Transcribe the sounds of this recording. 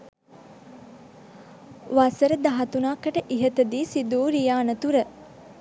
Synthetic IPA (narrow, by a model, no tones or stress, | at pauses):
ʋasəɾəd̪aɦɐt̪unaːkːəʈəʔiɦət̪əd̪iːsid̪uːɾijaːnət̪uɾə